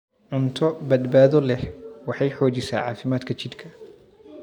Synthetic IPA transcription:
ʕʊnt̪ʰɔbɐd̪baːðɔlɛhwɑħɑjħɔːt͡ʃɪsa̰ːʕɑ̰ːfɪmaːd̪kʰɐt͡ʃɪd̪kʰɐ

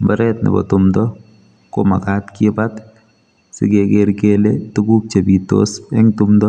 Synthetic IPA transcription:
bɛɾɛt̚nɪ̰bɔ̰tʊmdɔ | koma̰katkɪbat | sɪ̰kekeɾkeletuɡuk̚t͡ʃebitːo̰sɛŋtʊmdɔ

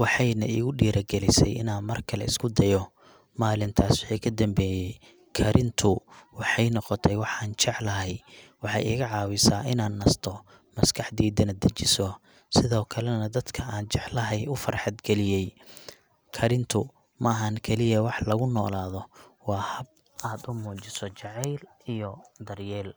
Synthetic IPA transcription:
wɑħɑjnɐ̰ʔḭːɣʊɖiːɾɐɡɛlɪsɛ̰jɪ̰naːnmɐrkʰɐlɛ̰ɪ̰skʰʊd̪ɐjɔ | maːlɪnt̪ʰaːswɑħɑjkʰɐd̪ɐmbɛːjɛj | kʰɐɾɪnt̪ʰʊwɑħɑjnɔqɔt̪ʰɛjwɑħɑːnt͡ʃɛʕlɐɦɛjwɑħɑ̰jɪːɣɐʕɑːwɪsaːʔɪnaːnːɐst̪ʰɔ | mɐskʰɑħd̪iːd̪ɐnɐd̪ɐt͡ʃɪsɔ | sɪðɔːkʰɐlɛnɐd̪ɐd̪kʰɐaːnt͡ʃɛʕlɐɦɛjʊfɐrħɑd̪ɡɛlɪjɛj | kʰɐɾɪnt̪ʰʊ | mɐɐɦɐŋkʰɛlɪjɐwɑħlɐɣʊnɔːlaːðɔwɑːhɐb̚ | ʔaːd̪ʊmuːt͡ʃɪsɔt͡ʃɑʕɛjl | ijɔd̪ɐrjɛːl

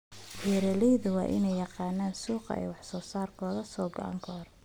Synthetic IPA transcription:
bɛːɾɛlɛjðʊwɑ̰ːʔɪ̰nɛjːɑqɑːnaːnsuːqɑ̰ɛ̰jwɑħsɔːsaːrkʰɔːðɐsɔːɡɐ̰ʔa̰ŋkʰɐhɔrɛ

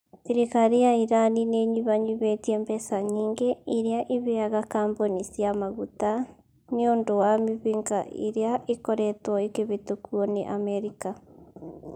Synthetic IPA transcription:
siɾekaɾijaiɾanineɲiβaɲiβetiembɛsaɲiːŋɡeiɾeaʔiβeaɣakaːmbonisiamaɣuta | neondowamiβiŋɡaʔḭɾeaʔikoɾɛtwɔekeβetokwɔneʔamɛɾika

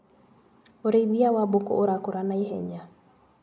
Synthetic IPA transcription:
oɾeiβiawabokɔ̰ʔoɾakoɾanaiɦɛɲa

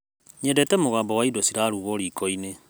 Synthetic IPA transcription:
ɲendɛtɛmoɣaːmbɔwaidosiɾaɾuɣoɾiːkɔine

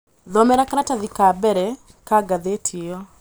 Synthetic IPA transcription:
ðɔmɛɾakaɾataðikabɛɾɛ | kaɡaðetʰiɔ

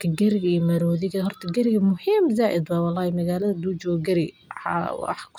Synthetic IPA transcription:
kʰɐɡɐɾɪɣɐijmɐɾɔːðɪɣɐɦɔrt̪ʰɐɡɐɾɪɣɐmʊhiːmzaːʔɪd̪wɑwɑlːɑːhɪmɐɣaːlɐðɐd̪uːd͡ʒɔːɡɐɾɪ | ħw̰ħkʰʊ̥

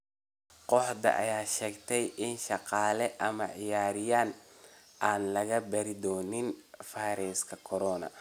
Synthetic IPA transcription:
qɔħd̪ɐ̰ʔɐ̰jaːʃɛːɡt̪ʰɛjʔɪnʃɑqɑːlɛʔɐmɐʕɪjaːɾɪjaːn | ʔaːnlɐɣɐbɐɾɪd̪ɔːnɪnfajɾɛskʰɐkʰɔɾɔːnɐ̰

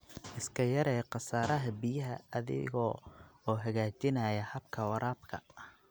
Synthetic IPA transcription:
ʔɪskʰɐjɐɾɛːqɑsaːɾɐɦɐbɪjɐɦɐːðɪ̰ɣɔɔːɦɐɣaːt͡ʃɪnajɐhɐbkʰɐwɑɾʔaːbkʰɐ

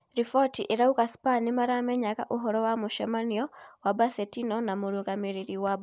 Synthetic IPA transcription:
ɾifɔtiʔeɾauɣaspanimaɾaːmɛɲaka̰ʔuɦɔɾɔwamuʃɛmaniɔwabasɛtinɔnamuɾuɣamiɾiɾiwaba

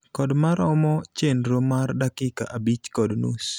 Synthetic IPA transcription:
kɔdmaɾɔmɔt͡ʃenɾomardakɪka̰ʔabit͡ʃkɔdnus

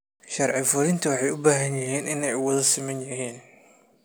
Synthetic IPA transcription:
ʃɐrʕɪfʊɾɪnt̪ʰɐwɑħɑjʊbaːɦɐnjɪɦiːnɪnɛjʊwɐðɐsɪmɐnjɐɦiːn

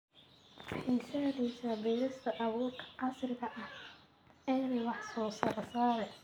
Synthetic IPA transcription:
ħiːsɐðiːsɐbɛːɾɪst̪ʰɐʔɐβuːlkʰɐ̥ʕɑsrkʰɐʔɐh | ʔɛːlwɑħsɔːsɐɾɐsaːɾɛ

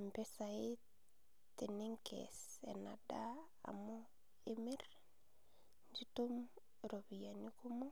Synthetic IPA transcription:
mpesai | t̪iniŋkʰḛsḛnada̰ː | mo | emiɾ | nd͡ʒitum | ɾobijanikumu

